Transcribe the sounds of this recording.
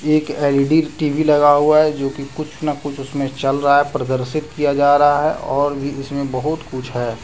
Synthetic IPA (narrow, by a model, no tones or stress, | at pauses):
eːkɛːlɖiːɾʈiːʋilɐɡaɦuaɦɛd͡ʒoːkikʊt͡ʃʰnɐkʊt͡ʃʰʊsmẽt͡ʃɐlɾɐɦaɦɛpɾɐd̪əɾsɪt̪kijad͡ʒaːɾɐɦaɦɛ̰ʔɔːɾbʱiɪsmẽbɐɦʊt̪kʊt͡ʃʰɦɛː